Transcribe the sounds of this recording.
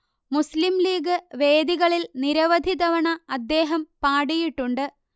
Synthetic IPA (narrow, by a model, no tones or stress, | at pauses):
muslimliːɡɨʋe̞ːd̪iɣɐɭilniɾɐʋɐd̪ʱid̪ɐʋɐɳɐːd̪ːe̞ːɦɐmpaːɽijiʈːuɳɖɨ